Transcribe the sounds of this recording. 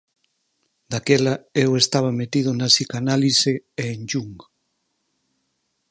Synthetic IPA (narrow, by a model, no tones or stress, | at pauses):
d̪akelɐewest̪aβ̞ɐmet̪ið̞ʊnɐsikanaliseeːnd͡ʒuŋɡ